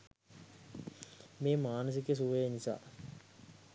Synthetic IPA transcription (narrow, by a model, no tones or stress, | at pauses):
meːmaːnəs̬ikəs̬uʋejenisa̰ː